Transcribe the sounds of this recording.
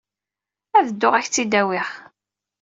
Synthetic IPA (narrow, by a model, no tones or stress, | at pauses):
æðəd̪ːʊʁæçt͡sːid̪æwɪʁ